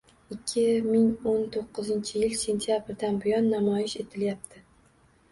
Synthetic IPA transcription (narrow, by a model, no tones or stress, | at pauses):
ɪkʲʰːɪmɪŋont̪ʰoqʰːɨzɪnt͡ʃʰɪjɪlse̞nt̪ʰijabɾd̪anbʊjɒnːamɒjɪʃe̞t̪ʰɪljap̚t̪ʰɪ